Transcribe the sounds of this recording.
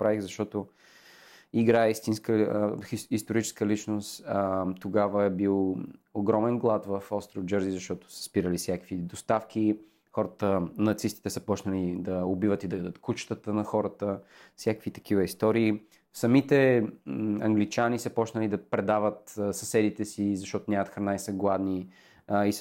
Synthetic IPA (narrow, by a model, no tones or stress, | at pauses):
pɾaixzɐʃt̪ɔt̪o | iɡɾaɛist̪inskə | ist̪oɾit͡ʃɛ̥skəlit͡ʃnost̪t̪oɡavəɛbilˠoɡɾɔmɛnɡlˠat̪vəfɔst̪ɾod͡ʒɤɾzizɐʃt̪ɔt̪o̥sə̥spiɾəlisjakəvid̪ost̪afk̟i | xɔɾət̪ənɐt̪sist̪i̥t̪ɛsəpɔt͡ʃnəlid̪ɐobivət̪id̪ɐəd̪ət̪kut͡ʃt̪ət̪ənɐxɔɾət̪əfsjakəkvit̪ɐ̥kivəist̪ɔɾiː | sɐmit̪ɛ | ɐ̰ŋɡlit͡ʃanisəpɔt͡ʃnəlid̪ɐpɾɛd̪avət̪sɐsɛd̪it̪ɛsizɐʃt̪ɔt̪onʲamət̪xɾɐnaisəɡlˠad̪ni | is